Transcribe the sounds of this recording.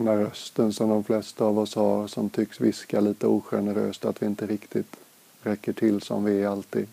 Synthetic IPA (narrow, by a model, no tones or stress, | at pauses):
d̪ɛnæːɾœst̪ənsɔmd̪ɔmflɛst̪aːvɔshaɾsɔmt̪ʰʏksvɪskaliːt̪əuːɧɛnəɾø̰ːst̪at̪vɪɪnt̪əɾɪkt̪ʰɪt̪ | ɾɛkːəʈʰɪlsɔ̰mvɪæalt̪ʰiːd̪